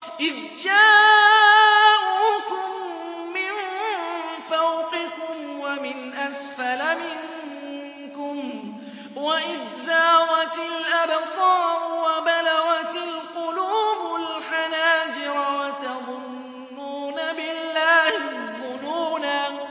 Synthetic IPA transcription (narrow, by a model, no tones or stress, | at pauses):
ʔɪð | d͡ʒaː | ʔuːkʊmː | ɪn | fawqɪkʊmwamɪnʔasfalamɪŋ | kʊm | waʔɪðːaːɣat̪ɪlʔabsˤɑːʔʊwabalaɣat̪ɪlqʊluːbʊlħanaːd͡ʒɪɾwat̪ɑðˤʊnː | uːnabɪlːaːhɪðˤʊnuːna